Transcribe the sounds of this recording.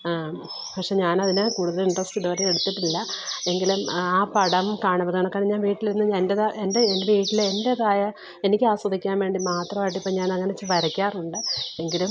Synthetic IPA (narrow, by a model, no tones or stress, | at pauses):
pɐkʂe̞ːɲaːnɐðinɨkuːɽuðɐliɳɖrɐsʈɨɖuɐɾɐleɽut̪ːiʈːilːɐe̞ŋɡilumaːpɐɽɐmkaːɳupːɐðɐɳɐkːɐɻiɲːaːnʋiːʈːiliɾunːɨɲendeðɐʔendeendeʋiːʈːilende̞ðaːjɐ | e̞nikʲːɨaːswɐd̪ikʲːaːnʋe̞ːɳɖimaːt̪rɐmaːjiʈːɨipːoːɲaːnɐŋːɐnet͡ɕːɨʋɐɾɐkʲːaːruɳɖɨe̞ŋɡilum